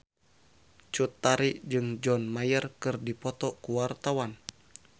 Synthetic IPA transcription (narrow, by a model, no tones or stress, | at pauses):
t͡ʃut̪ːaɾiʔd͡ʒɨŋd͡ʒɔnmajərkɨrdipɔt̪ɔkuwart̪awan